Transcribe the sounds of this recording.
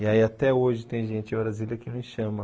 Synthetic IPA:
iaiat̪ɛoʒɪt̪ẽj̃ʒẽt͡ʃɪẽbɾazilɐkɪnʊ̃ʃɐ̃mɐ

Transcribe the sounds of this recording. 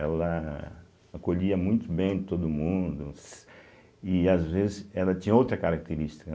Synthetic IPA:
ɛlɐ | akoʎiɐmũj̃t̪ʊbẽj̃t̪od̪ʊmũd̪ʊs | ɪazvezɪsɛlɐt͡ʃĩɲɐowt̪ɾɐkaɾak̚t̪eɾist͡ʃi̥kɐ

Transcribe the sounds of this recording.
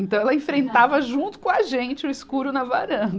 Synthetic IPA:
ẽnt̪ɐ̃w̃ɛlɐẽfɾẽnt̪avɐʒũnt̪ʊ̥kõɐʒẽnt͡ʃɪʊiskuɾʊnɐvaɾɐ̃

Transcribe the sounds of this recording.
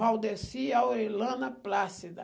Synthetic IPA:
awd̪esiaoɾelɐ̃nɐplasid̪ɐ

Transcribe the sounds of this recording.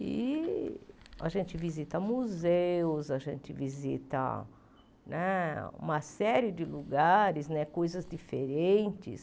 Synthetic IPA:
ɪ̰ | a̰ʒẽnt͡ʃɪvizit̪ɐmuzewʊzɐʒẽnt͡ʃɪvizḭt̪ɐ̰ | nɛṵ̃mɐsɛɾɪd͡ʒɪluɡaɾɪznɛkojzɐzdifeɾẽnt͡ʃɪ̰s

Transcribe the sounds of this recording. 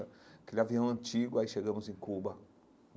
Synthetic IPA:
ɐkelɪaviɐ̃w̃ɐ̃nt͡ʃiɡʊaiʃeɡɐ̃mʊzẽj̃kubɐ

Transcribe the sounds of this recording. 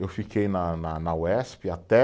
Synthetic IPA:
ewfikejnɐnɐnɐwɛspɪat̪ɛ

